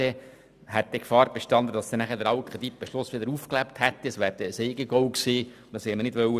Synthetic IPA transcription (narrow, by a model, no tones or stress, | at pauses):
ɛ | hɛt̪̚d̥̪ɛkfɑːɾb̥eʃtɑnd̪əd̥̪ɑsd̪ɛnæχədəɾɑʊkχed̪ip̚b̥eʃlʊsʋɪd̪əɾufklæpt̪hɛt̪ːiəsʋæːɾd̥̪ɛəsɛɪɡəɡɔwkseː | d̪ɑshɛmənɪdʋœwə